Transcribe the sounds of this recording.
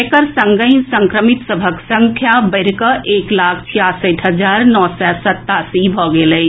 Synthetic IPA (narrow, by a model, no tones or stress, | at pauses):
kəɾsə̃ŋɡəisə̃ŋkɾəmɪt̪səbʱəksə̃ŋkʰjabəɾkəʔeːklaːkʰt͡ʃʰijaːsəʈɦəd͡ʒaːɾnɔːsɛsət̪ːaːsibʱɔːɡele